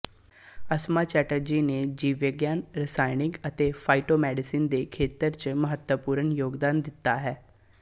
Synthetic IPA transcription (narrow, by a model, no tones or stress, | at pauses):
əsmaːt͡ʃɛːʈəɾd͡ʒiːneːd͡ʒiːʋəɡjaːnɾɪsaːɪnɪ̃ŋɡət̪eːpʰaːiʈoːmɛːɖɪsiːnd̪eːkʰeːt̪əɾt͡ʃməɦət̪wəpuːɾəɳjoːɡd̪aːnd̪ɪt̪ːaːɦɛː